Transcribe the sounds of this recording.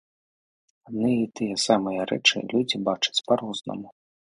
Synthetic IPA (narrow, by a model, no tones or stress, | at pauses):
ad̪nɨjɐit̪ɨjɛsamɐjɐɾɛ̰t͡ʂɨ̰lʲud͡zʲibat͡ʂɐ̥t͡sʲpaɾɔznɐ̰mu